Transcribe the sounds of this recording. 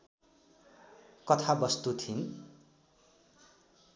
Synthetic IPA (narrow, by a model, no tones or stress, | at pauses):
kʌt̪ʰabʌst̪ut̪ʰin